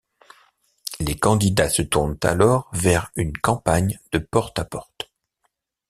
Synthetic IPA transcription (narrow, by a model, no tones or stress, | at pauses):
lekɑ̃d̪id̪asət̪uʁnt̪a̰lɔʁvɛʁynkɑ̃paɲd̪̥əpɔʁt̪apɔʁt̪